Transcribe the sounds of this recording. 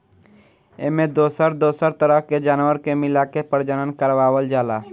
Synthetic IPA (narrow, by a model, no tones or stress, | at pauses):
eːmẽd̪oːsəɾd̪oːsəɾt̪əɾəɦked͡ʒaːnwəɾkemɪlakepəɾd͡ʒənənkəɾʋaːwəld͡ʒaːlaː